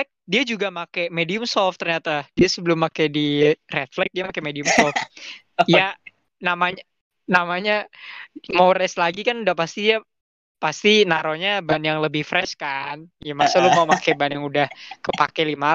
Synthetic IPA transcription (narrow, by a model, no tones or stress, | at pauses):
ɛk̚diad͡ʒuɡamakemediʊmsɔlft̪ərɲat̪ad̥iasəbəlʊmːakajdirɛt̪flɛk̚diamakemediʊmsɔlf | ja | namaɲa | namaɲa | mawɾɛslaɡikanudahpast̪idia | past̪inaɾoɲabanjaŋləbɪhfɾɛskanjamasalʊmaumakɛbanjaŋudahkəpa̰kɛlima